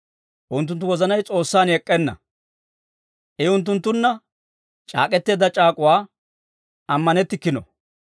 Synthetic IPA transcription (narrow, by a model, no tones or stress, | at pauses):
ʔʊnt̪̬ːʊnt̪̬ːʊwɔzɐnɐjt͡sʼo̞ːsːaːnɛkʼːɛnːɐ̰ | ʔɛʊnt̪̬ːʊnt̪ːʊnːɐ | t͡ʃʼa̰ːkʼɛt̪ːe̞ːd̪ɐt͡ʃʼaːkʼʊwaː | ɐmːɐnɛt̪ːɪkːɪnɔ̰